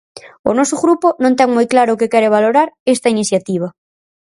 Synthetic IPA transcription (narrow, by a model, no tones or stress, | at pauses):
ʊ̰nɔsʊɣɾupʊnõnt̪ɛŋmɔjklaɾʊːkekɛɾeβ̞aloɾaɾest̪ɐiniθjat̪iβ̞ɐ